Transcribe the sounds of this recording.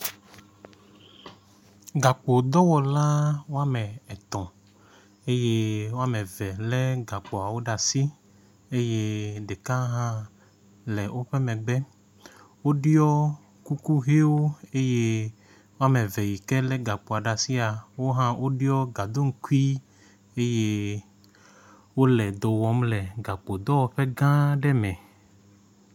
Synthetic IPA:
ɡa˨k͡po˨d̪ɔ˦wɔ˨la˦wo˦a˦mɛ̃˨ɛ˨t̪ɔ̃˨ | e˦je˦wo˦a˦mɛ̃˨vɛ˨lɛ˦ɡa˨k͡po˨a˨wo˦ɖa˨si˦ | e˦je˦ɖe˨kã˦ɦã˦ | lɛ˨wʔo˦ɸɛ˦mɛ̃˨ɡ͡bɛ˦ | wo˦ɖi˦ɔ˦ | ku˦ku˦ɦe˦wo˦e˦je˦ | wo˦a˦˨me˨vɛ˨ji˨kɛ˦lɛ˦ɡa˨k͡po˨a˨ɖa˨si˦a˨wo˦ɦã˦wʔo˦ɖi˦ɔ˦ɡa˨d̪o˦ŋ̩˦ku˦i˦ | e˦je˦ | wo˦lɛ˨d̪ɔ˨wɔ˨˦mlɛ˨ɡa˨k͡po˨d̪ɔ˦wɔ˨ɸɛ˦ɡã˦ɖɛ˦mɛ̃˨

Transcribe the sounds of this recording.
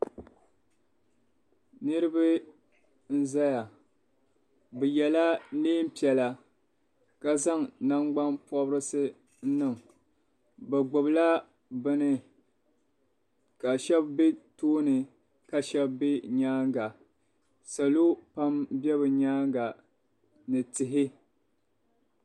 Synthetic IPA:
nɨ˦ɾɨ˦bɨ˦ | n̩˦za˦ja˨ | bɨ˨jɛ˨la˦leː˦m̩˦pi˨ɛ˨la˨ | ka˦za˦ŋna˦ŋ͡mɡ͡ba˦npɔ˦bɾɨ˦sɨ˦ | n̩˦nɨ˨ŋ | bɛ˨ɡ͡bʊ˨bla˦ | bɨ˦nɨ˨ | ka˨ʃɛ˦bbe˦toː˦nɨ˨ | ka˨ʃɛ˦bbe˦ɲaː˦ŋɡa˨ | sa˨lo˦pa˦mbɛ˦βɨ˨ɲaː˦ŋɡa˨ | nɨ˨tɨ˨ɦɪ˦

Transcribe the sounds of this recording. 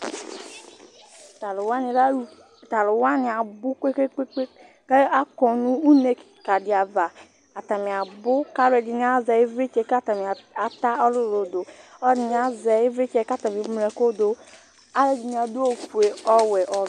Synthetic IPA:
lwa˦ni˨ɾ | ta˨lʊ˨wa˦ni˨a˨bʊ˦ke˦e˦e˦e˦ | ka˦a˦kɔ˨nu˦u˦ne˦˨ka˨di˨a˨va˨ | a˨ta˨mi˨a˨bʊ˦ka˦ɾɛ˨d͡ʒi˨ni˦a˦zɛ˨i˦vɾi˦t͡ʃe˦ka˦ta˨mi˨a˨ta˦ɔ˦lu˦˨ɾo˨do˨ɔ˦ɾi˨n˨˦a˦zɛ˨i˦vɾi˦t͡ʃe˦ka˦ta˨mi˨˦m˨ɾɛ˨ko˦do˨ | a˦ɾɛ˨d͡ʒi˨ni˨˦a˨du˦o˨ku˨e˨ɔ˦wɛ˨ʔɔ˨

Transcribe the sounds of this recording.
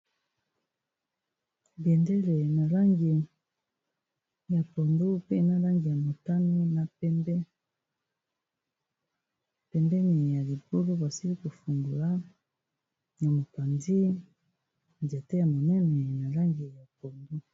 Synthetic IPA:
bjɛ˨ndɛ˦le˨na˨la˦ŋɡi˨ | ja˨pɔ˨ndo˦pe˦na˦la˦ŋɡi˨ja˨mo˨ta˦ne˦na˨pɛ˦b | pɛ˨mbɛ˦ne˨ja˨li˨bo˦lo˦ba˨si˦li˦ko˨fu˨ndu˨la˦ | na˨mo˨pa˨ndi˦ | ndi˨a˨te˦ja˨mo˨nɛ˦nɛ˨na˨la˦ŋɡi˨ja˨po˨ndo˦

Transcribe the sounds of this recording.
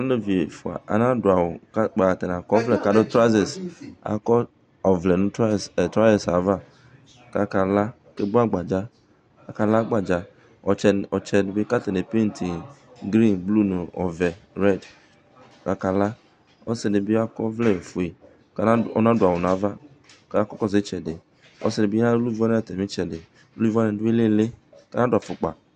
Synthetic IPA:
a˨n˦lo˦vi˨e˨fu˨a̰˨ʔa̰˨nã˦dʊ˨a˨wo˨ka˦k͡pa˨t̪ɛ˨nã˨kɔ˦vlɛ˨ka˨do˦t̪ɾa˦ze˨sa̰˨kɔ˦ | ɔ˨vlɛ˨nũ˦˨tɾa˦ɛ˨sa˨va˦ | ka˦ka˨la˦ | ke˦bu˦a˦ɡ͡ba˨d͡ʒa˦ | ka˨ka˦la˦ɡ͡ba˨d͡ʒa˨ | ɔ˨ɛ˨ɔ˨t͡ʃɛ˦n˨˦be˦ka˦t̪e˨ne˨pe˦n˦tʰi˨ɡɾi˦nblu˦˨nu˨ɔ̰˨vɛ˨ɾɛ˦˨d | ka˨˦ka˧la˦ | ɔ˦sɛ˧de˨˧bi˦a˦kɔ˦vlɛ˦˨fu˨e˨ | ka˧˦ɔ˦na˨˦dʊ˨a˨wɔ˨na˨˦va˦ | ka˦a˦kɔ˦kɔ˦˨ze˨˦t͡ʃɛ˨de˨ | ɔ̰˦sɛ˨˧ne˨˧bi˦a˦lu˦i˦vɔ˦n˦˨tɛ˨mĩ˦t͡ʃɛ˨de˨˦ | lu˦i˦˨vɔ˦nɛ˧˨du˦e˦le˦˨le˦ka˦na˦dʊ˨a˨fu˨k͡pa̰˨

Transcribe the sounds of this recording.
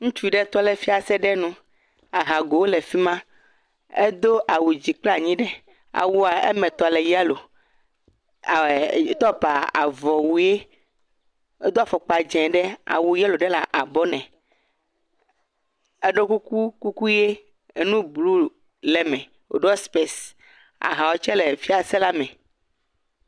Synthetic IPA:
ŋũ˦t͡ʃu˦ɖɛ˦t̪ɔ˦lɛ˨fi˦a˨sɛ˦ɖɛ˦nũ˦ | a˨ɦa˨ɡo˨wo˦lɛ˨fi˦mã˦ | ḛ˦d̪o˦ʔa˨wu˨d͡ʑi˨k͡pla˨ɲĩ˦ɖɛ˦ | a̰˨wu˦a˨ḛ˦mɛ̃˨t̪ɔ˨lɛ˨ja˦lo˨˦ | t̪ɔ˦pa˨a̰˨vɔ˨wu˨je˦ | e˦d̪o˦a˨fɔ˨k͡pa˨d͡ʒɛ̃˨ɖɛ˦a̰˨wu˨ja˦lo˨ɖɛ˦la˨ʔa˨bɔ˦nɛ̃˨ | e˦ɖo˦ku˦ku˦ku˦ku˦je˦ | e˦nũ˦blu˦ | lɛ˨mɛ̃˨ | wo̰˨ɖɔ˦spe˦s | a̰˨ɦã˨wɔ˦t͡ʃɛ˦le˨fi˦a˨sɛ˦la˦mɛ̃˨

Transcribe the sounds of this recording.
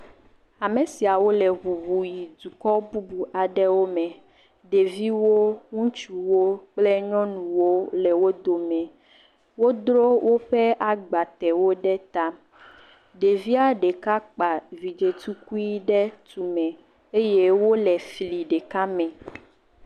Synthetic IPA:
a˨mẽ˨si˨a˨wo˦lɛ˨βu˨bu˨ji˨d̪u˨kɔ˦bu˦bu˨ʔa˨ɖɛ˦wo˦mɛ̃˨ | ɖe˨vi˦wo˦ŋũ˦t͡ʃu˨wo˦k͡plɛ˦ɲɔ̃˦nũ˨wo˦lɛ˨wo˦d̪o˨mɛ̃˨ | wo˦d̪ɾo˦wʔo˦ɸɛ˦a˨ɡ͡ba˨t̪ɛ˨wo˦ɖɛ˦t̪a˦ | ɖe˨vi˦a˦ɖe˨ka˦k͡pa˨vi˨d͡ʒe˨t̪u˦ku˦i˦ɖɛ˦t̪u˨mɛ̃˨ | e˦je˦wo˦lɛ˨fi˨li˨ɖe˨ka˦mɛ̃˨

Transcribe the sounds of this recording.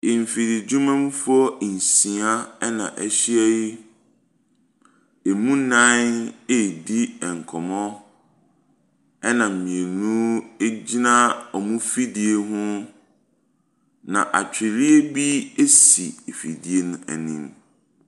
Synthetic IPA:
ɪ˨m˨fi˨di˨d͡ʑu˦mã˦m̃˦fɔ˦˨n̩˨sĩ˨a˦ɛ˦nã̰˨ʔɛ̰˦ɕi˦ɛ˦ji˦ | e˨mũ˦nã˦ne˦˨di˦ɛ˨ŋ̩˨kʰɔ˨mɔ̃˦ | ɛ˦nã˨m̩˨mĩ˨e˨nũ˦e˦d͡ʑi˦nã˦ɔ˨mũ˦fi˦di˨e˦ɦʊ̃˦ | nã̰˨ʔa̰˨t͡ɕᶣɪ˨ɾi˦e˦bi˦e˦si˨e˨fi˨di˨e˦nʊ̃˦æ̰˨nĩ˦m

